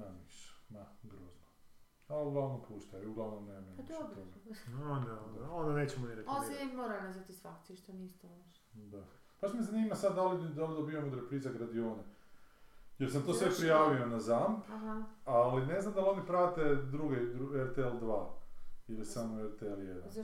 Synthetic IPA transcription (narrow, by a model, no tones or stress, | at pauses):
namiʃe̥maɡɾoːzno | auɡlˠaʋnompuːʃt̪ajuɡlˠaʋnomnemamemid̪obt̪oɡaond̪aond̪aond̪aneːt͡ɕemoniɾekoeemoːɾanazʋat̪isfakt̪siʃt̪onist̪oaʃ | d̪a | paʃt̪mezaniːmasad̪d̪alid̪alid̪obiomod̪ɾepɾiːzaɡɾad̪ioːne | jeɾsamt̪o̞ːsʋepɾijaːʋionazampɦaaline̞znamd̪alonipɾaːt̪ed̪ɾuɡed̪ɾueɾt̪eeld̪ʋaːiljesamoeɾt̪eeljed̪nan